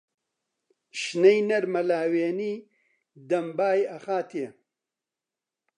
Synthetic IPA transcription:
ʃnɐjnɐɾmɐlaːweːniː | d̪ɐmbaːjɐxaːt̪ʰe

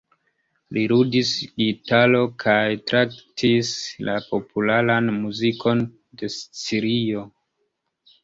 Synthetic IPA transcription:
liɾudisɡitalo̞kʰajtɾaktʰislapo̞pʰulaɾanmuziko̞n | de̞st͡siɾio̞

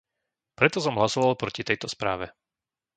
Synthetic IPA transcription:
pɾɛt̪ɔsɔmɦlasɔʋalˠpɾɔcit̪ɛjt̪ɔspɾaːʋɛ

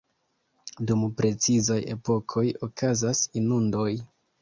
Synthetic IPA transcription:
dumpɾe̞t͡sizaje̞̰po̞kʰo̞jo̞kʰazasinundo̞j

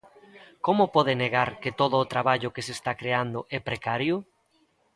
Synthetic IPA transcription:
komʊpɔðɪneɣaɾket̪oðʊːt̪ɾaβaʎʊkesest̪akɾeand̪ʊʔɛpɾekaɾjʊ

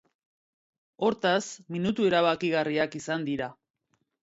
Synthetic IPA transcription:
o̞ɾt̪asminut̪ue̞ɾaβakiɣariakisand̪iɾa

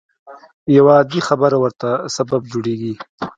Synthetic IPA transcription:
jawaːd̪ixabəɾawəɾt̪asabab̚d͡ʒoɽeɡi

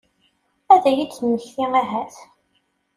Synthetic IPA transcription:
æðæjid̪θənːəçθiæɦæθ

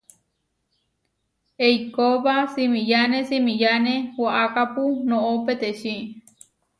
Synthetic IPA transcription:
ejkoβasimĩjanesimĩjanẽwaʔakapunõʔopet̪eʃi

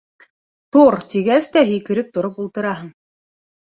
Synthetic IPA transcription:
t̪uɾt̪iɡæst̪æɦɵ̆jkɘ̆ɾɘp̚t̪ŏɾopulˠt̪ɤ̆ɾɑɦɤm

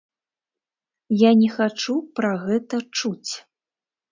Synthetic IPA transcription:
janʲɛxat͡ʂupɾaɣɛt̪ɐt͡ʂut͡sʲ

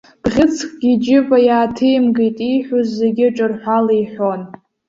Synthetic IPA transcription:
b̥ʁʲɪt͡sʰkʼɡ̥ʲid͡ʒɪvʼajaːtʰejmɡejtʼiħʷuzːeɡʲɪʈ͡ʂʼɨrħʷalijħʷon

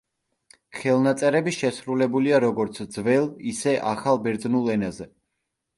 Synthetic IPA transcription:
χɛlˠnat̪sʼɛɾɛbiʃɛsɾulɛbuliaɾɔɡɔɾt̪sʰd̪zvɛlˠisɛʔaχalˠbɛɾd̪znulˠɛnazɛ

